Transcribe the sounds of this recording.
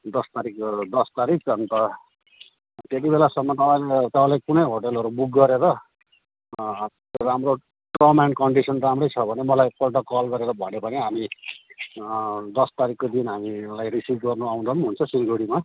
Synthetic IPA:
d̪ʌst̪aɾikd̪ʌst̪aɾik̚t͡sʰʌnt̪ʌ | t̪et̪̬ibelasʌmːʌt̪ʌpãlet̪ʌpãlekunʌjɦoʈelɦʌɾubuk̚ɡʌɾeɾʌ | ramro | ʈʌmankʌɳɖisʌnramrʌjt͡sʰʌbʱʌnemʌlajpʌlʈ̬ʌkʌlɡʌɾeɾʌbʱʌnobʌneɦami | d̪ʌst̪aɾikːod̪inɦamilajrisipɡʌrnuaw̃nd̪ʌmɦunt͡sʰʌsinɡʱoɽima

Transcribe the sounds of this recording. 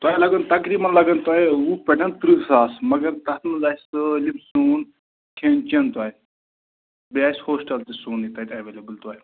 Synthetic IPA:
t̪uajlaɡənt̪ɐkɾimɐnlaɡənt̪ajupʲɛʈɐnt̪ɾɨsasmɐɡɐɾt̪at̪mɐzajsɨlimsuːn | kʰent͡ʃent̪waːj | bashoːsʈɐlt̪isuːnit̪ajt̪ʲaʋelʲebəlt̪aːj

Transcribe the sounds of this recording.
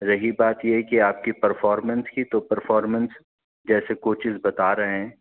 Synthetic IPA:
ɾɐɦibaːt̪jeɦkiaːp̚kipɐɾfɔːɾmə̃nskit̪opɐɾfɔːɾmə̃ns | d͡ʒɛːsekoːt͡ʃɪzbɐt̪aːɾɐɦeɦɛ̃ː

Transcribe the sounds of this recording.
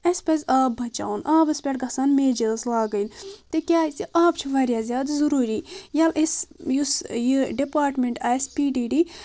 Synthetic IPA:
ɐspɐzʲaːbbɐt͡ʃa̰ːunaːbɐspʲeʈɡɐsanmeːd͡ʒezlaːɡɐjnt̪ekʲjaːit͡siʔaːpt͡ʃʰiʋɐɾʲjaːzʲjaːd̪zɐɾuːɾiːjalʔesjusjiɖipaːɾʈmeɳʈaːspiːɖiːɖi

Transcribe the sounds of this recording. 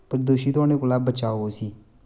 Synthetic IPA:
pəɾd̪oːʃiːt̪ʊaːɽ̃ẽːkoːlaːbət͡ʃaːoɦoːsiː

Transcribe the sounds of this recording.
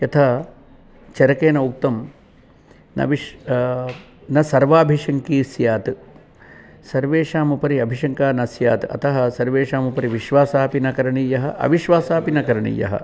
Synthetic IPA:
jɐt̪ʰaː | t͡ʃɐɾɐkeːnɐuk̚t̪ɐm | nɐ̰ʋi | nɐsɐɾʋaːbʱiʂɐŋkiːsjaːt̪ | sɐɾʋeːʃaːmupɐɾiɐbʱiʂɐŋkaːnɐsjaːt̪ɨɐ̰t̪ɐɦɐsɐɾʋeːʃaːmupɐɾiʋiʃʋaːsaːpinɐkɐɾɐɳijɐɦɐ̆ʔɐ̰ʋiʃʋaːsaːpinɐkɐɾɐɳḭjɐ̰ɦɐ̰

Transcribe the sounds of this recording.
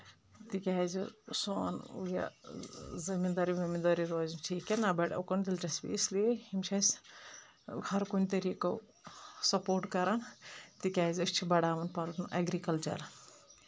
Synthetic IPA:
t̪ikʲazsoːnṵja̰ | zimid̪aɾibɐmid̪aɾiɾoːzunʈʰiːkenabɐʈɐ̰kond̪ilʈɐsbḭːsliehimt͡ʃʰɐs | hɐɾkunʲit̪ɐɾiːko | sɐpoːɾʈkɐɾant̪ikʲaːzɐst͡ʃʰibɐɽaːʋɐnpɐɾnʔɐɡɾikɐlt͡ʃɐ̰ɾ

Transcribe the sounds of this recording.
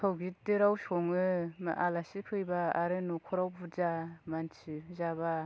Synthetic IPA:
tʰawɡidɯɾawsɔŋɯma̰ʔalasipʰɯjbaaɾɯnukʰɔɾawbʰuzamansʰizaba

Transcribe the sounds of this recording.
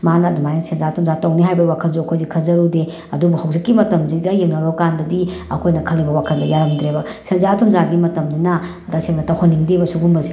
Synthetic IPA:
manadmajnsenzatʰumzatɐwniɦajbɐwakʰɐnzuɐkʰojzikʰɐlzɐɾude | ɐdubuhɐwzekːimɐtɐmziɡɐjeŋnɐɾɔkandɐdiɐkʰojnɐkʰɐlːibɐwakʰɐnzajaɾɐmd̪ɾebɐsenzatʰumzaɡimɐtɐmdinɐ | dasemnɐtɐhoniŋdibɐsuɡumbɐzi

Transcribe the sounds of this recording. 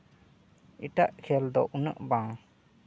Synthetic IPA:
iʈaʔkʰɛld̪ɔʔunəʔbãŋ

